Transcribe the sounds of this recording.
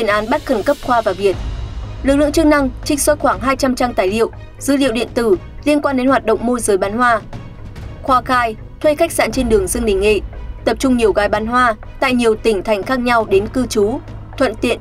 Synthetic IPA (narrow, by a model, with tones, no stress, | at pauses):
i˨˩ənʔaː˨˦nɓa˦˥t̚xə˧˩nkə˦˥p̚xwaː˧vaː˨˩vi˨˩ət̚lɨ˨˩k̚lɨ̰˧ə˨ŋt͡ɕɨ˦˥k̚na˧ŋt͡ɕï˧˥ŋ̟swə˦˥t̚xwaː˧˩ŋɦaː˧jt͡ɕa˧mt͡ɕa˧mt̪aː˨˩jlḭ˧˨ə˨w | z̥ɨ˨˦lḭ˧˨wɗḭ˧˨ənt̪ɨ˧˩ | li˧ənkwaː˧nɗe˨˦nhwaː˨˩t̚ɗo̰˧˨wŋ͡mmo˧zəː˨˦jɓaː˨˦nɦwaː˧ | xwaː˧xaː˧j | t̪ʰwe˧xa˦˥k̚sa̰ː˧˩nt͡ɕe˧nɗɨ˨˩əŋzɨ˧əŋɗi˨˩ŋ̟ŋḭ˧˨t̪ə˨˩p̚t͡ɕʊ˧ŋ͡mɲi˨˩əwɣaː˨˦jɓaː˨˦nɦwaː˧ | t̪a̰ː˧˨jɲi˨˩əwt̪ï˧˩ŋ̟t̪ʰa˨˩jŋ̟xaː˦˥k̚ɲa˧wɗe˨˦nkɨ˧t͡ɕu˨˦ | t̪ʰwə̰˧˨nt̪ḭ˧˨ən